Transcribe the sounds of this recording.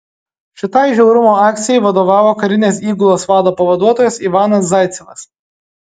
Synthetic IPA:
ʃʲɪt̪ɐɪʒʲɛʊɾʊmoːɑːk̚t̪sʲɪjɛɪʋɐd̪oːʋɑːʋoːkɐɾʲɪnʲeːsiːɡʊlˠoːsʋɑːd̪oːpɐʋɐd̪uɔt̪oːjɛsiʋɑːnɐs̬zɑɪt̪sʲɪʋɐ̰s

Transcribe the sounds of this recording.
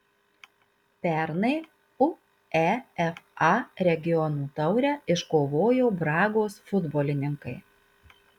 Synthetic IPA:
pʲɛˑɾnɐɪ | ʊ | ɛɛfɑɾʲɛɡʲɪjɔnuːt̪ɐʊɾʲɛɪʃkoːʋoːjoːbɾɑːɡoːsfʊd̪boːlʲɪnʲɪŋkɐɪ

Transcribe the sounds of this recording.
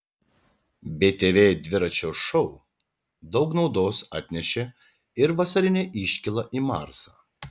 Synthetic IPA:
bʲeːt̪ʲeːʋʲeːd̪ʲʋʲɪɾɐt͡ʃʲoːʃɔʊ | d̪ɒʊknɒʊd̪oːsɑ̰ːt̪ʲnʲɛʃʲe | ɪɾʋɐsɐɾʲɪnʲeːʔɪʃʲkʲɪlˠɐʔiːmɑ̰ɾsɐː

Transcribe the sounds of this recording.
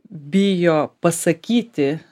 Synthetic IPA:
bʲɪjoːpɐsɐkʲiːt̪ʲɪ

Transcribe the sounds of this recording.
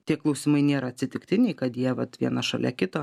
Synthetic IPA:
t̪ʲiɛklˠɐʊsʲɪmɐɪnʲeːɾɐɐtʲsʲɪt̪ʲɪkt̪ʲɪnʲɛɪkɐt̪jiɛʋɐt̪ʋʲiɛnɐʃɐ̰lʲɛ̰kʲɪt̪oː

